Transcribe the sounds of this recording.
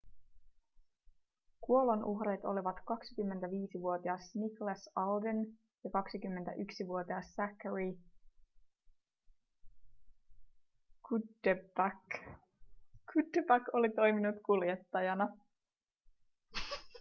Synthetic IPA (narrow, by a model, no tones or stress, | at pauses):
kuo̞lonʔuɦɾet̪o̞̰liʋɑt̪kɑksikymːent̪æʋiːsiʋuo̞t̪iɑsniklæsɑlden | jɑkɑksikymːent̪æ̰ʔyksiʋuo̞t̪iɑsːækːəɹi | kudepæk | kʰud̪epækolit̪o̞jminut̪kuljet̪ːɑjɑnɑ